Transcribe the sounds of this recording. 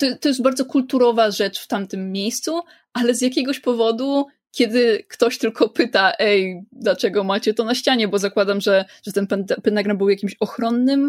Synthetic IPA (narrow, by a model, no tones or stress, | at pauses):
t̪ɔt̪ːɔjɛst̪̚baɾd̪zɔkult̪uɾɔvaʐɛt͡ʂft̪amt̪ɘmːʲejst̪su | ʔalɛzjakʲɛɡɔɕpɔvɔd̪u | kʲɛd̪ɘkt̪ɔɕt̪ɘlkɔpɘt̪aʔɛjd̪lat͡ʂɛɡɔmat͡ɕɛt̪ɔnaɕt͡ɕaɲɛbɔzakwad̪amʐɛʐ̥ɛt̪ɛnpɛnt̪pɛnaɡɾanbɘwjakʲimɕɔxɾɔnːɘm